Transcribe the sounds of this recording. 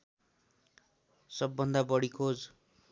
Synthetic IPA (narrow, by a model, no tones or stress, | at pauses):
sʌbːʌnd̪abʌɽikʰod͡z